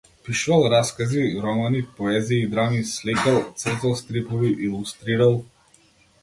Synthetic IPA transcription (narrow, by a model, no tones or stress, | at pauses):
piʃuvalˠɾaskaziɾɔmanipɔɛziːd̪ɾamislikalˠt̪sr̩t̪zalˠsk̪ɾipɔviʔilˠust̪ɾiɾalˠ